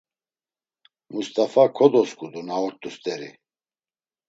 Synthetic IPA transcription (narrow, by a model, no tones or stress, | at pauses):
must̪ʼafakʰɔd̪ɔskʰʼud̪unaɔɾt̪ʼust̪ʼɛɾḭ